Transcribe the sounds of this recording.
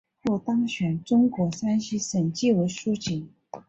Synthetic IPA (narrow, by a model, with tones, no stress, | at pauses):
xu˥˩t̪ɑ˥ŋɕɥɛ˨˩nʈ͡ʂʊ˥ŋkwɔ˧˥sa˥nɕi˥ʂə˨˩nt͡ɕi˥˩we˧˥ɪʂu˥t͡ɕi˨˩˦ŋ